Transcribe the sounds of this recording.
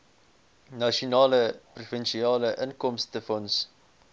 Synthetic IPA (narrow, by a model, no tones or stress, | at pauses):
nɐʃunɑːləprufənʃiɑːləʔənkɔmstəfɔns